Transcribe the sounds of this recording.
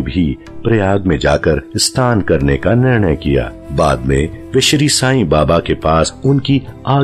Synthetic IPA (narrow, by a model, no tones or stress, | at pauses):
bʱi | pɾɐjaːɡmẽd͡ʒaːkəɾst̪ʰaːnkɐɾnekanɪɾɳ̃əjkija̰ː | baːd̪mẽʋɪʃɾiːsaːĩbaːbakepaːsʊnkiaː